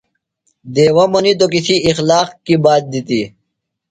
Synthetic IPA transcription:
d̪eːwɐmɐnit̪ok̬isʰiːxlaːqkibaːt̪̚d̪it̪i

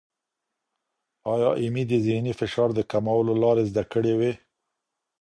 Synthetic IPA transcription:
ɑjɑʔimid̪əzɪhnifɪʃɑɾd̪əkamawəlolɑɾezd̪akəɽewe

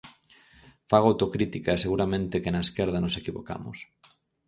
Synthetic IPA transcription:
faɣowt̪okɾit̪ikaeseɣuɾamẽnt̪ekenɐeskɛɾð̞ɐnosekiβo̰ka̰mʊ̰s

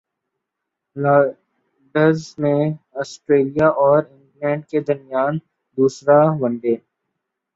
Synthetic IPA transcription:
laː | ɖəzmẽɔːsʈɾeːlijaʔɔːɾɪ̃ŋɡlɛ̃ːɳɖ̚ked̪ɐɾmjaːn | d̪uːsɾaʋɐ̃nɖeː

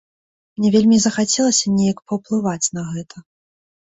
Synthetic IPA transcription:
mnʲɛvʲelʲmʲizɐxat͡sʲɛlˠɐsʲɐnʲɛjɐkpɐwplˠɨvat͡sʲnɐɣɛt̪ʰɐ

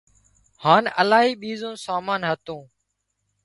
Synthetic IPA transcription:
haːnəlaːɦiːɓiːzõːsaːmaːnɦət̪õː

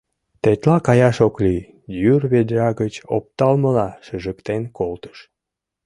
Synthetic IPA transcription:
t̪et̪lɑkɑjɑʃokli | jyrβed̪ʲrɑɣət͡ɕo̰p̚t̪ɑlməlɑʃəʒəkt̪enkolt̪ə̥ʃ

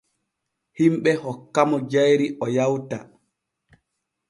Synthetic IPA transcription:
himɓɛhɔkːamɔd͡ʒajɾiʔɔjawta

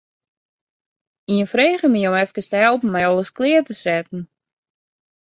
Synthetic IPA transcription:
iənfreːχəmijomɛfkəstəɦɛlˠpm̩mɛjɔlˠəsklɪərtəsɛtn̩

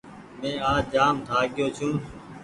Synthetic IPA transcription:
mẽːaːd͡ʒaːmd̪ʱaːɠɪjoːt͡ʃʰũː

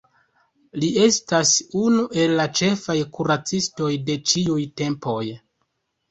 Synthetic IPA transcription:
lie̞stasunuʔe̞lːat͡ʃe̞fajkuɾat͡sisto̞jde̞t͡ʃiujte̞mpo̞j

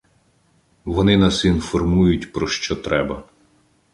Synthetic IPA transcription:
ʋɔnɪnɑsinfɔrmujʊtʲpɾɔʃt͡ʃɔt̪ɾɛbɐ

